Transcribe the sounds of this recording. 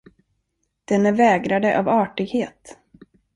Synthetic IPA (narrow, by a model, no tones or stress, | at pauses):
d̪̥ɛnæɾvɛːɡɾad̪əʔavɑːʈɪɡheːt̪